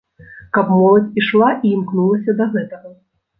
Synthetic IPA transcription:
kɐpmɔlˠɐt͡sʲiʂlˠaʔiːmknulˠɐsʲɐd̪ɐɣɛt̪ɐɣɐ

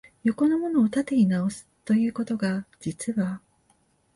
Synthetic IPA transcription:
jo̞ko̞no̞mo̞no̞ːt̪at̪e̞ɲ̟inao̞sɨ̥t̪o̞jɯ̟ːko̞t̪o̞ɡad͡ʑit͡sɨβa

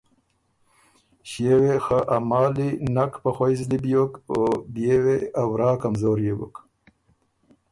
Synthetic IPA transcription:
ɕewexaʔamɑːlinakpaxwojzlibjokobjeweawɾɑːkamzoːɾjebṵk

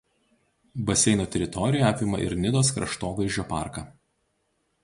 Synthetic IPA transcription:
bɐsʲɛɪnoːt̪ʲɛɾʲɪt̪ɔɾʲɪjɛɐpʲɪmɐʔɪ̰ɾnʲɪd̪oːskɾɐ̰ʃt̪oːʋɐɪʒʲd͡ʒʲoːpɑ̰ˑɾkɐː

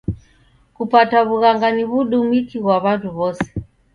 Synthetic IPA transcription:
kupataβuɣaŋɡaniβuɗumikiɣwaβatuβɔsɛ̥

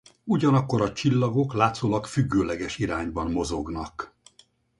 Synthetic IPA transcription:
uɟɒnɒkːo̞ɾɒt͡ʃilːɒɡo̞klaːt̪soːlɒkfyɡːøːlɛɡɛʃiɾaːɲbɒnmo̞zo̞ɡnɒk

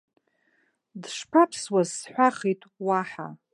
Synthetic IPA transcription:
dʂpʰapʰswazħʷaχitʼwaħa̰

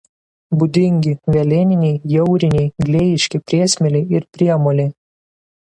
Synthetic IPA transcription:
bʊd̪ʲɪŋʲɡʲɪʋʲɛlʲɪnʲɪnʲɛɪjɛʊɾʲɪnʲɛɪɡlʲejɪʃʲkʲɪpʲɾʲiɛsʲmʲɛlʲeɪɪɾpʲɾʲiɛmoːlʲe

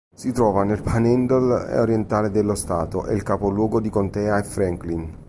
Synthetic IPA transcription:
sit̪ɾɔːvanelpʰanɛnd̪olḛoɾjent̪aːled̪elːost̪a̰ːt̪oʔḛlkapolwɔːɡod̪ikont̪ɛːaefɾɛŋklin

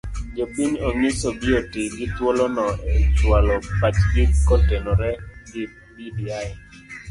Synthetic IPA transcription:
d͡ʒopiɲoŋɪsobɪotɪɡɪt̪wolɔnɔet͡ʃwalɔpat͡ʃɡɪkɔtɛnɔɾɛɡɪ | midiaɛ

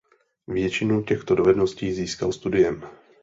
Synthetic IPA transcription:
vjɛt͡ʃɪnucɛxt̪o̞dovɛdnosciːziːskalst̪udɪjɛm

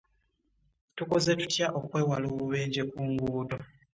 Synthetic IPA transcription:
tukoze̞tutjaʔo̞kwe̞ːwaloːβuβe̞ːɲɟe̞kuːŋɡudo

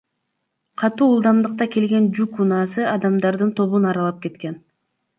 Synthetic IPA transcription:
qʰɑt̪uːlˠd̪ɑmd̪ɯq̚t̪ɑke̞lɡe̞nd͡ʒukunɑːsɯɑd̪ɑmd̪ɑɾd̪ɯnt̪ʰo̞βunɑɾɑlˠɑp̚ke̞t̪ke̞n

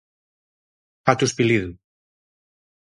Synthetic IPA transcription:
at̪uspiliðu

